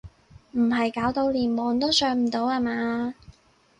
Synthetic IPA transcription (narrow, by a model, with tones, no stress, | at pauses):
m̩˨˩ɦɐ˨jkaː˨˥wt̪o˧wliː˨˩nmɔː˨˧ŋt̪o˥wsœː˨˧˥ŋm̩˨˩t̪o˨˧˥waː˨˧maː˨˧